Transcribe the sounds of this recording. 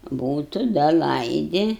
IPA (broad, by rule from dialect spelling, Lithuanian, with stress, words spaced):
ˈbuːtʊ ˈdɐ ˈlˠɐɪdʲɪ